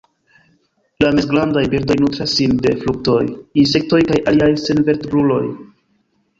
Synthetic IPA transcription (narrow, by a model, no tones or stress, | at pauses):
lamesɡlandajbiɾdo̞jnutɾasːinde̞fluk̚to̞jins̬e̞k̚to̞jkajaliajse̞nve̞ɾtbɾulo̞̰j